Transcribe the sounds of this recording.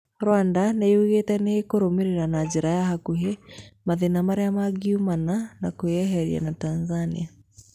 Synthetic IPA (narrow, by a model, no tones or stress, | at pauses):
ɾwandaneuɣetɛnehekoɾomeɾeɾanad͡ʒeɾajahakuɦemaðenamaɾeamaɣiumananakojɛɦɛɾḭa̰natanzanḭa